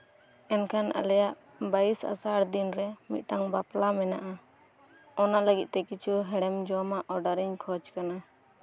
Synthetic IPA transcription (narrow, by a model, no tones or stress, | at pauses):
ɛnkʰana̰lɛjaʔ | baisa̰saɽd̪inɾɛmḭt̪̚ˀʈaŋbaplamɛnaʔa | ɔnaləɡit̪̚t̪ɛkit͡ʃʰuɦɛɽɛmd͡ʒɔmaʔɔɾɖaɾiɲkʰɔt͡ʃkana